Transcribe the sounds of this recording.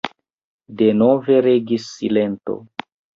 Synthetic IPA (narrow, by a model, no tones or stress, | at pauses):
de̞no̞ve̞ɾeɡisːile̞nto̞̰